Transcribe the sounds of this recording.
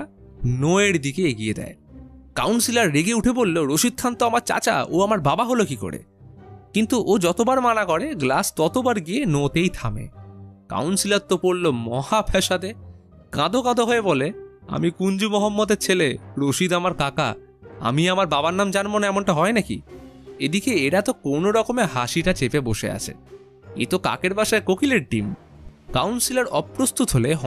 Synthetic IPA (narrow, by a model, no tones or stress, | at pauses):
noeɾd̪ikeeɡijed̪ɛ̰eka̰wnsilaɾːiɡeuʈʰebolːoɾoʃid̪̚t̪ʰant̪oamaɾt͡ɕa̰t͡ɕa̰ʔo̰amaɾbabaɦolokiko̰ɽḛ | kint̪uʔod͡ʑɔt̪obaɾmanakɔɾeɡlast̪ɔt̪obaɾɡienot̪ejt̪ʰamḛka̰wnsilaɾt̪ːopoɽlomɔhapʰɛʃad̪e | kãd̪okãd̪oɦɔebole | a̰mikund͡ʑumɔɦɔmːɔd̪eɾt͡ɕʰeleɾoʃid̪amaɾkaka̰ | a̰miamaɾbabannamd͡ʑanmonɛmoɳʈaɦɔenakḭed̪ikeeɾat̪okonoɾɔkomeɦaʃiʈat͡ɕepeboʃḛa̰t͡ɕʰḛ | ḛt̪oka̰keɾbaʃaekokileɾʈḭm | kawnsilaɾɔpɾost̪ut̪ɦoleɦ